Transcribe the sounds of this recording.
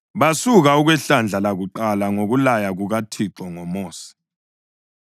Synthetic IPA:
βasuɣauɣwɛɬand͡ɮʱalaɣuǃalaŋoɣulajaɣuɣatʰiǁɔŋɔmoːsi̥

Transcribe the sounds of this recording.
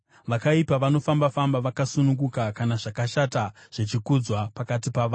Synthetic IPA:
ʋakaipaʋano̞fambafambaʋakasunuɡukakanaʐakaʃataʐ̥et͡ʃikud͡zwapakat̬ipaʋaː

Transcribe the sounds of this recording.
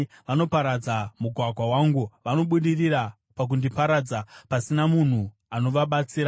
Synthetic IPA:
ʋano̞paɾad͡zamuɡʱwaɡʱwawaːŋɡuʋano̞ɓuɗiriɾa | pak̬undipaɾad͡zapasinamun̤u | ano̞ʋaɓat͡siːɾa

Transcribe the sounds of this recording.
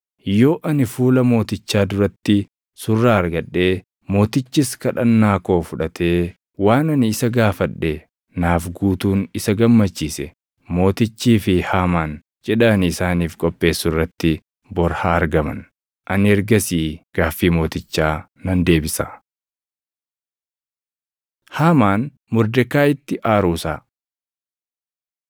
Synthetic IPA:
jo̞ːʔɐnɪfuːlɐmo̞ːt̪ɪt͡ʃːaːd̪ʊɾɐt̪ːɪ | sʊrːaːɐɾɡɐᶑːe̞ː | mo̞ːt̪ɪt͡ʃːɪskɐᶑɐnːaːko̞ːfʊᶑɐt̪ʰe̞ː | waːnɐnɪɪsɐɡaːfɐᶑːe̞ː | naːfɡuːt̪uːnɪsɐɡɐmːɐt͡ʃːiːsɛ | mo̞ːt̪ɪt͡ʃːiːfɪhaːmaːn | t͡ʃʼɛᶑaːnɪɪsaːniːfkʼɔpʼːe̞ːsːʊrːɐt̪ːɪ | bɔɾhaːɐɾɡɐmɐ̰n | ʔɐnɪɛɾɡɐsiːɡ̥aːfːiːmo̞ːt̪ɪt͡ʃːaː | nɐnd̪e̞ːbɪsa | haːmaːn | mʊɾd̪ɛkːaːɪt̪ːɪʔaːɾuːsaː

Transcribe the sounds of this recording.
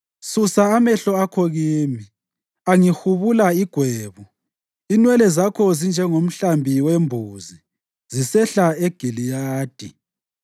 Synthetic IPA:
susaːmɛɬɔakʰoɣiːmi | aŋihuβulaiɡ̥ʱweːβu | inwɛlɛzakʰɔzind͡ʒʱɛŋom̩ɬambʱiwembʱuzi | zisɛɬaeɡ̥ʱilijaːd̥ʱi

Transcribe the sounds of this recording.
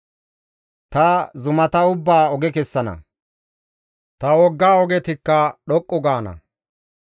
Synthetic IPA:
t̪ɐzʊmɐt̪ɐʊbːaːɔɡɛkɛsːɐnɐ̰ | t̪ɐwɔɡːaːɔɡɛt̪ɪkːɐɗɔkʼːɔɡaːnɐ̰

